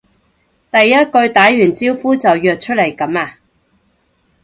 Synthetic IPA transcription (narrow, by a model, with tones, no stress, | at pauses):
t̪ɐ˨jːɐ˥t̚kɵ˧ɥt̪aː˨˥jɥyː˨˩nt͡siː˥wfuː˥t͡sɐ˨wjœː˨k̚t͡ʃʰɵ˥t̚le˨˩jkɐ˨˥maː˧